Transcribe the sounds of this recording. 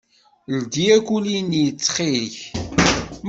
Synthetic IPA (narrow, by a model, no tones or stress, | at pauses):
ld̪iækʷulinjət͡sːχiç | m